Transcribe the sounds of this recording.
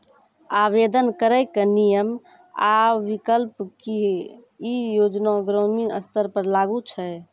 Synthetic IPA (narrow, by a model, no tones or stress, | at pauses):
aβed̪ənkəɾəɪkənijəm | a̰ʋikəlpkiɦ | ijod͡ʒnaɡɾəminə̰st̪əɾpəɾlaɡut͡ʃʰə